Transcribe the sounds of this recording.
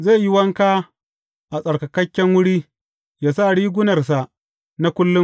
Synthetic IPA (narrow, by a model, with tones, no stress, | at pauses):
ze˦˨ji˦wɐ˦ŋkaː˦ | ʔa˨sʼɐ˨ɽkɐ˨kɐ˦kʲːɛ˦ŋwʊ˦ɽiː˦ | jaː˦sa˦˨ɽiː˦ɡʷʊ˦nɐ˨rs̬a˨ʔ | na˦kʷʊ˦lːʊ˦